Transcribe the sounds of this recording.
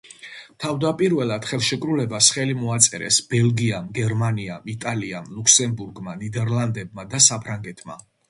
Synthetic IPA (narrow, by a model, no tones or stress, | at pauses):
t̪ʰavd̪apʼiɾvɛlˠad̪̥χɛlˠʃɛkʼɾulɛbasχɛlimɔat̪sʼɛɾɛ̰sb̥ɛlˠɡiamɡɛɾmaniamit̪ʼaliamlˠukʰsɛmbuɾɡmanid̪ɛɾlˠand̪ɛb̚mad̪asapʰɾaŋɡɛt̪ʰma̰